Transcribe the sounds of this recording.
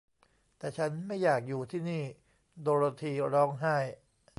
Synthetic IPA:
t̪ɛː˨˩t͡ɕʰa˦˥nma˥˩jːaː˨˩k̚juː˨˩t̪ʰiː˥˩niː˥˩ | d̪oː˧ɾa˧t̪ʰiː˧ɾɔː˦˥ŋɦa˥˩j

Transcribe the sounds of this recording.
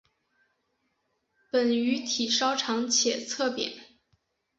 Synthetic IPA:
pə˨˩ny˧˥t̪ʰi˨˩ʂɑ˥ʊʈ͡ʂʰɑ˧˥ŋt͡ɕʰjɛ˨˩t͡sʰɤ˥˩pjɛ̰˨˩˦

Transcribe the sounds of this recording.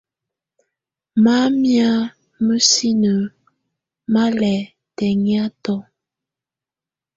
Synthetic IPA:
ma˦mja˦ | mə˦si˦nə˨ | ma˦lɛ˨ | tɛ˨ŋja˦tɔ˦

